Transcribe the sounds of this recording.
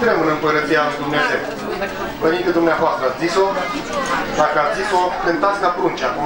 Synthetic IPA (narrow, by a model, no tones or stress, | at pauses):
t̪ɾemɨnɨmpəɾət̪sialujd̪umneze̞w | venit̪k̪əd̪umneavoast̪ɾəat̪sʲziso | d̪akəat̪zisokɨnt̪at̪sʲlapɾunt͡ʃakum